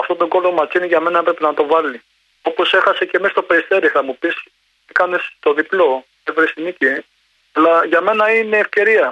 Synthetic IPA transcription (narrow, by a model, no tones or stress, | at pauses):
ɐft̪ot̪o̞ɡo̞lomɐt͡siniʝɐme̞nɐpɾe̞pinɐt̪o̞vɐli | o̞po̞se̞xɐse̞ce̞mest̪o̞peɾist̪e̞ɾiθɐmupis | ikɐne̞st̪o̞ðiplo̞ | evɾest̪inici | ɐlɐʝɐme̞nɐine̞ːfce̞ɾiɐ